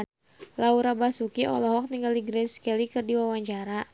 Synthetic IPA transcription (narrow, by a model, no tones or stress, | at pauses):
lauɾabasukiʔɔ̰lɔɦɔk̚niŋɡaldiɡɾɛskɛlikɨrdiwawaɲt͡ʃaɾa